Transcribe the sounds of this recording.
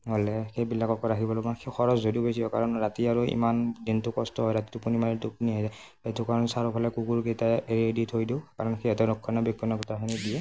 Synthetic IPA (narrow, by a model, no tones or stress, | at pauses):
ɦolɛxejbilːakɔkɔaxibɔlɔɡaxexɔɹɔzzodiʊbesibɔkaɹɔnɹatiaɹuḭmandintʊkɔstɔɦɔjɹati̥tupunimaɹitupuniɦajza | etʊkaɹɔnsaɹɔpʰalɛkuɡuɹkejtaeɹieditʰojdiwkaɹɔnxejɛtɔnɔkʰːɔnabikːɔnaɡutaɦinidiɛ